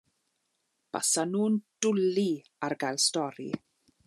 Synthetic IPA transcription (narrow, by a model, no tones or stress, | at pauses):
b̥a̰sanuːnd̥ʊli | arɡajlˠstɔɾḭ